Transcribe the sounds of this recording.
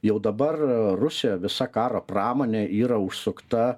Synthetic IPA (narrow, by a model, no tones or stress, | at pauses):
jɛʊd̪ɐbɐrrʊsʲɪjɛʋʲɪsɐkɑːɾoːprɑːmoːnʲeːʔiːɾɐʊʃsʊkt̪ɐ